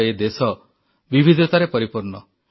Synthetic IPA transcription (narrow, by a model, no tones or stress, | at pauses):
ed̪esɔ | bibʱid̪ʱɔt̪aɾepɔɾipuɾnɔ